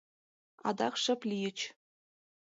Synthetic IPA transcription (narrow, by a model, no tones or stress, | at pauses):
ɑ̰d̪ɑχʂɘ̆plʲijə̆t͡ɕ